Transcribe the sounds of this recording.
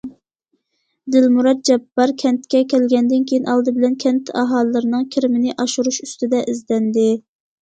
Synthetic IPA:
d̪ɪlmuɾɑt̪̚d͡ʒɛbːɑɾkʲʰɛnt̪kʲɛkʲɛlɡʲɛnd̪ɪnkʲʰejinʔɑlˠd̪ɨbɪlɛnkʲʰɛnt̪ʰɑɦɑːlˠlːɨɾɨnɨŋkʲʰɪɾɪmɪnɪʔɑʃuɾuʃyst̪ɪd̪ɛʔizd̪ɛnd̪ɪ

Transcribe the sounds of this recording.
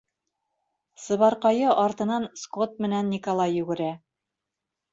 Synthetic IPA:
sɤ̆βɑɾqɑjɤʔɑɾt̪ɤ̆nɑnskot̪̚mɘ̆nænːikolˠɑjːʉɡɘ̆ɾæ

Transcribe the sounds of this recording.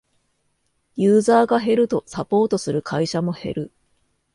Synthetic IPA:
jɯːzaːɡaɦe̞ɾɯ̟t̪o̞sapo̞ːt̪o̞sɨɾɯ̟kʰaiɕamo̞he̞̰ɾɯ̟

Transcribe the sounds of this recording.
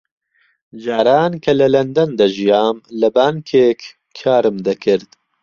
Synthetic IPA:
ʒaːɾaːnkʰɐlɐlɐnd̪ɐnd̪ɐʒijaːmlɐbaːŋkʰeːkʰ | kʰaːɾɨmd̪ɐkʰɨɾd̪

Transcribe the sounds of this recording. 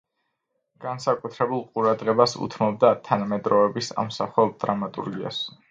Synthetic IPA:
ɡ̥ansakʼut̪ʰɾɛbulˠqʼuɾad̪ʁɛbasṵt̪ʰmɔb̚d̪at̪ʰanamɛd̪ɾɔɛbisa̰msaχˠɔd̪̥ɾamat̪ʼṵɾɡia̰s

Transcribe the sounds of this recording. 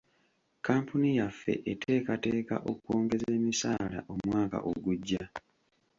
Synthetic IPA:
kaːmpunijafːe̞̰ʔetʰe̞ːkate̞ːka̰ʔo̞kukoːŋɡe̞ze̞ːmisaːla̰ʔo̞mwaːka̰ʔoɡuɟːa

